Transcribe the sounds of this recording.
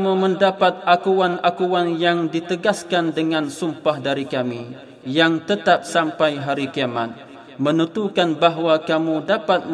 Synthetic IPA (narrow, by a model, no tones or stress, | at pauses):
muməndapat̪̚akuwanakuwanjaŋdit̪əɡaskandəŋansumpahdaɾikami | jaŋt̪ət̪ap̚sampajɦaɾikiama̰t̪̚ | mənət̪ukanbaɦwakamudapat̪̚